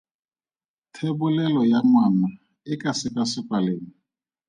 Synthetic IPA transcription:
tʰɛbʊlɛlɔjaŋwana | ɪkʼasɪkʼasɪkʼwaleːŋ̩

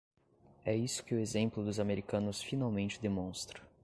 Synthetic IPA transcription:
ɛisʊ̥kɪʊezẽmplʊd̪ʊzameɾikɐ̃nʊsfinawmẽnt͡ʃɪd̪emõst̪ɾɐ

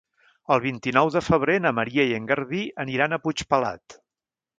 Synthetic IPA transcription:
əlˠβ̞int̪inɔwðəfəβ̞ɾenəməɾiəieŋɡəɾðiəniɾanəput͡ʃpəla̰t̪

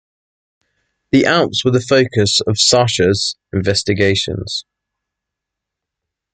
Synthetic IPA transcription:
ðiʔãʊpswəðəfəʊkʰəsəv̥sɑˑʃəz̥ɪ̃ɱvɛstɪɡeɪʃə̰̃nz̥

